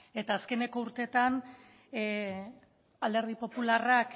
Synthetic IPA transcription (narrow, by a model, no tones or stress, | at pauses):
e̞t̪aːske̞ne̞ko̞uɾt̪e̞t̪an | ald̪e̞ɾð̞ipo̞pularak